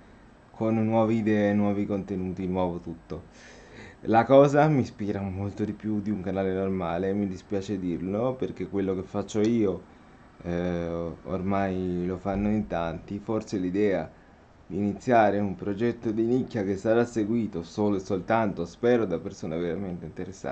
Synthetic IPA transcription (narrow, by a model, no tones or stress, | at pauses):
kʰonːwɔːvid̪ɛenwɔːvikont̪enuːt̪inwɔːvot̪ut̪ːo | lakɔːzamispiːɾamolt̪od̪ipjud̪iuŋkanaːlenormaːlemid̪ispjaːt͡ʃed̪irloperk̟ekːwelːokefːat͡ʃːoiːo | o̰rmajlofanːoint̪ant̪iforselid̪ɛːa | d̪iːnit̪sːjaːɾeumpɾod͡ʒɛt̪ːod̪inikːakesːaɾasːeɡwiːt̪osoːloesːolt̪ant̪ospɛːɾod̪apːersoːneveɾament̪eint̪eɾesːa̰